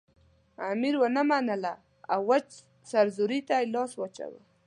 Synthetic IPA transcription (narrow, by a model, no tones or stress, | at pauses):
amiɾwənəmanəla | a̰wwat͡ʃ | saɾzuɾit̪ajlɑswat͡ʃa̰wa̰